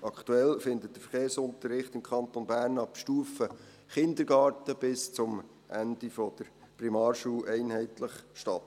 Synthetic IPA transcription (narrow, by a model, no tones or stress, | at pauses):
ʔɑkt̪uɛlfɪnd̪ət̚d̥əfəɾχeːrsʊnt̪əɾrːɪχtɪmkʰχɑnt̪onbæːɾnɑpʃtuːfə | χɪnd̪əɾɡ̥ɑːɾtəb̥ɪst͡sʊm | ʔændifɔd̥əɾ | primɑːrʃuːʔɛɪnɦɛɪtləχʃtɑtː